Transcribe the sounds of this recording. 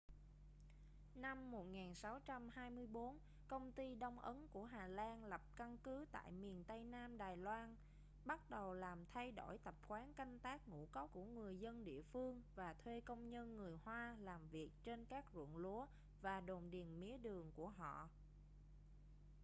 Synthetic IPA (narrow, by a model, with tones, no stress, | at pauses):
na˧mːo˨˩t̚ŋaː˨˩nsa˨˦wt͡ɕa˧mhaː˧jmɨ˧əjɓo˨˦n | kə˧wŋ͡mt̪i˧ɗə˧wŋ͡mʔə˨˦nku˧˩əɦaː˨˩laː˧nlə˨˩p̚ka˧nkɨ˨˦t̪a̰ː˧˨jmi˨˩ənt̪ə˧jnaː˧mɗaː˨˩jlwaː˧n | ɓa˦˥t̚ɗə˨˩wlaː˨˩mt̪ʰa˧jɗo˧˩jt̪ə˨˩p̚xwaː˨˦nka˧jŋ̟t̪aː˦˥k̚ŋṵ˧˥kɔ˨˦wku˧˩əŋɨ˨˩əjzə˧nɗḭ˧˨əfɨ˧əŋvaː˨˩t̪ʰwe˧kə˧wŋ͡mɲə˧nŋɨ˨˩əjhwaː˧laː˨˩mvi˨˩ək̚t͡ɕe˧nkaː˦˥k̚zṵ˧˨nlu˨˦ə | vaː˨˩ɗo˨˩nɗi˨˩ənmḭ˨˦əɗɨ˨˩əŋku˧˩əɦɔ̰˧˨